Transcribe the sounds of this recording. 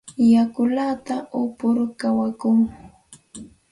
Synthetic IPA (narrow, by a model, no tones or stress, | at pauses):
jakʊlat̪aʔʊpʊɾkawakuŋ